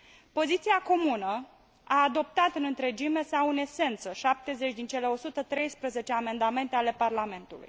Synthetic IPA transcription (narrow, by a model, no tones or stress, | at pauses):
po̞zit̪siako̞munə | aːd̪o̞p̚t̪at̪ɨnɨnt̪ɾe̞d͡ʒime̞sawɨne̞se̞nt̪səʃap̚t̪e̞ze̞t͡ʃʲd̪int͡ʃe̞le̞o̞sut̪ət̪ɾe̞jspɾəze̞t͡ʃe̞ame̞nd̪ame̞nt̪e̞ale̞parlame̞nt̪ulṵj